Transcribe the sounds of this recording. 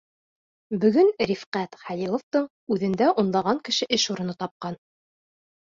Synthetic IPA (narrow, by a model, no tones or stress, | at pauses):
bɵ̆ɡɘnɾʲifqæt̪χæjilˠŏft̪ɤɴ | ʉðɘ̆nd̪æʔunlˠɑʁɑŋkɘ̆ʃɘʔɘʃuɾɤ̆nɤt̪ɑp̚qɑn